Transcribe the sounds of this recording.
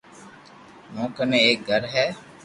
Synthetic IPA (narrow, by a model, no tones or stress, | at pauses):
nõːkɐneeɡɐɾɦɛː